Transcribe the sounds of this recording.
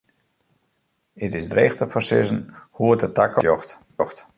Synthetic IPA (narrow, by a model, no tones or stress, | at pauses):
ɪtɪsdreːxtəfɔrsɪ̰sən̩huətətakəjɔxt | xt